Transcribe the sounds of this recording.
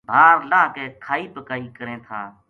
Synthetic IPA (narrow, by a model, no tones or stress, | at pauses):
bʱaːɾlãːkeːkʰaːiːpəkaːiːkəɾẽːt̪ʰaː